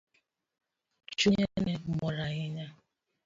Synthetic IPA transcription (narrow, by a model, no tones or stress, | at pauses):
t͡ʃuɲenemɔɾaɣɪɲa